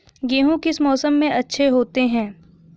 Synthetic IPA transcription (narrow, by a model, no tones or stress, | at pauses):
ɡeːɦũkɪsmɔːsəmːẽʔɐtːʃʰeɦoːt̪eɦɛ̃ː